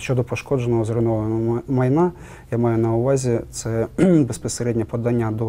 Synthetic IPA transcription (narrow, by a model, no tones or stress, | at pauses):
ʃʲt͡ʃːɔd̪ɔpɔʃkɔd͡ʒenɔɦɔzɾɪnɔʋɐnɔmɐjna | jamɑjʊnɐʊʋɑzʲit̪sɛbespɔseɾɛdʲnʲɛpɔd̪ɑnʲːɐd̪ɔ